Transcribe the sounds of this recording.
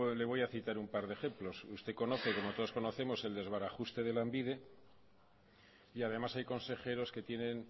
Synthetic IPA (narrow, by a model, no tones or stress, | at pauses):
le̞β̞o̞jaθit̪aɾumpaɾðexe̞mplo̞sust̪eko̞no̞θeko̞mo̞t̪oðo̞sko̞no̞θe̞mo̞se̞ld̪e̞zβaɾaχust̪e̞ð̞e̞lambiðe̞ | iað̞e̞masajko̞nse̞χe̞ɾo̞ske̞t̪je̞ne̞n